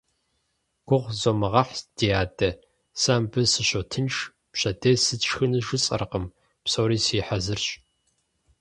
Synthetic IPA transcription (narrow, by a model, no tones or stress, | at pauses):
ɡ̥ʷʊʁʷzoːmɨʁɐħd̥ijaːdʼɐ | saːmbɨsɨɕotʰɨnʂ | pɕɐdesɨʈ͡ʂxɨnɨʒɨt͡sʼɐ̰rqəm | psoːɾiːsiːħazɨrɕʼ